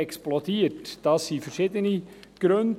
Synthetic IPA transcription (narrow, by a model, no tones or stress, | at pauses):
ɛksplɔtiːtd̥ɑsːiːfɛɾʃiːdəniɡ̥ɾønd